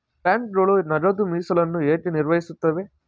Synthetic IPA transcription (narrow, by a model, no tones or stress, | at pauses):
paːɳʈɾoːɭunɐɾɐd̪umiːsɐlɐnːueːʈiniɾʋɐjisut̪ːɐʋe